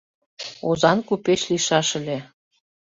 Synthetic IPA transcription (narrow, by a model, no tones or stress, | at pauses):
ozɑnkupet͡ɕliʃɑʃə̆lʲe